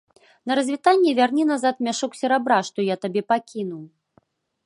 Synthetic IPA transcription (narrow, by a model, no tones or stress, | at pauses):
nɐɾɐzʲvʲit̪anʲːɛvʲarnʲinazat̪mʲaʂɔksʲɛɾabɾaʂt̪ɔjat̪abʲɛpakʲinuw